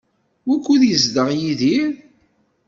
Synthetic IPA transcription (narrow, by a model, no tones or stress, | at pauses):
wækʷːuðjəzd̪əʁjiði